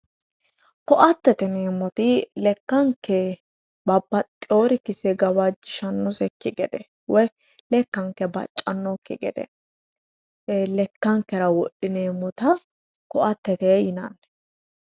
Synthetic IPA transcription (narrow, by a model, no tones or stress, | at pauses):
kɔʔɐt̪ːɛt̪ɛneːmːɔt̪ɪlɛkːɐŋkːɛ | bɐbːɐt̪ʼɪoːɾɪkɪsɛɡɐwɐd͡ʒɪʃɐnːɔsɛkːɪɡɛ̰d̪ɛ̰ | wɔj | lɛkːɐŋkːɛbɐ̰t͡ʃʼːɐnːɔkːɪ̰ɡɛ̰d̪ɛ̰ | lɛkːɐŋkːɛɾɐwɔɗːɪneːmːɔt̪ɐ | kɔʔɐt̪ːɛt̪ɛjɪnɐ̰nːɛ